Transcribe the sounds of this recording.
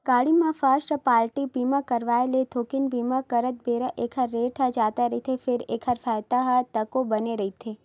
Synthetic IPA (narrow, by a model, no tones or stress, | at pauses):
ɡ̥aɽimãfasʈpaːlʈipimãkəɾʋaelet̪ʰokɪnbimãkəɾət̪̚beɾəʔekʰəɾːeʈʰəd͡ʒat̪aɾit̪ʰefɪɾekʰəɾfajt̪aɦat̪əkobəneɾəɦit̪ʰe